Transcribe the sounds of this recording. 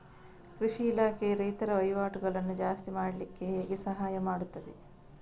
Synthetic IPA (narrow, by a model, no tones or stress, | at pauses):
kɾiʃiːlaːkʰeɾɐjt̪ɐɾɐʋɐjʋaːʈuɡɐɭɐnːud͡ʒaːst̪imaːɽɐlikːe̞ɦeːɡe̞sɐɦaːjɐmaːɽut̪ːɐd̪e̞